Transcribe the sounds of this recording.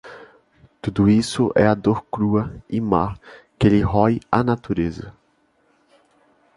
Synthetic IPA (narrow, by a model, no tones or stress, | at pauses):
t̪ud̪ʊisʊʔɛ̰ɐd̪oɾkɾuɐimaɾkelɪɦɔjanat̪uɾezɐ